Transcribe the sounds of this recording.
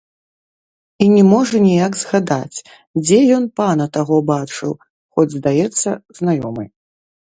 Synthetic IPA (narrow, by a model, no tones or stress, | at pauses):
inʲɛmɔʐɐnʲijaɡzɣad̪at͡sʲ | d͡zʲɛjɔnpanɐt̪aɣɔbat͡ʂɨw | xɔd͡zʲzd̪ajɛt̪sːɐznajɔ̰mɨ̰j